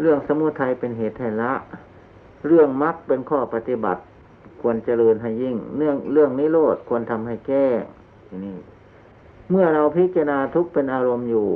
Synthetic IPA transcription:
lɯ˧˩əŋsa˧mu˧˥t̪ʰːa˧jpe˧nɦeː˨˩t̪̚ha˧˩jla˧˦˥ʔ | ɾɯ˧˩əŋma˧˦˥k̚pe˧nkʰɔː˧˩pa˧t̪i˧˩ba̰˨˩t̪̚ | kʰu˧ənt͡ɕa˧lɤː˧nɦa˧˩jːi˧˩ŋnɯ˧˩əŋlɯ˧˩əŋniː˧˥˨loː˧˩t̪̚kʰu˧ənt̪ʰa˧mha˧˩jkɛː˧˩ŋ | i˧niː˧˩ | mɯ˧˩ɐɾa˧wpʰi˦˥t͡ɕa˧naː˧t̪ʰu˦˥k̚pe˧nʔaː˧ɾo˧mjuː˧˩

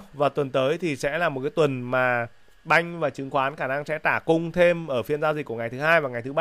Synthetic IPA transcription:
vaː˨˩t̪wə˨˩nt̪əː˨˦jt̪ʰi˨˩sɛ̰˧˥laː˨˩mo˨˩kaː˨˦jt̪wə˨˩nmaː˨˩ | ɓa˧jŋ̟vaː˨˩t͡ɕɨ˨˦ŋxwaː˨˦nxaː˧˩na˧ŋsɛ̰˧˥t̪aː˧˩kʊ˧ŋ͡mt̪ʰe˧mʔəː˧˩fi˧ənzaː˧wzi̟˨˩kːu˧˩əŋ˨˩jt̪ʰɨ˨˦haː˧jvaː˨˩ŋa˨˩jt̪ɨ˨˦ɓa˧

